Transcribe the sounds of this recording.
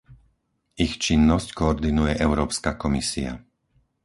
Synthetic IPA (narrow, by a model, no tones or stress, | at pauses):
ixt͡ʃinːɔsckɔɔɾd̪inujɛʔɛʊɾɔːpskakɔmisia̰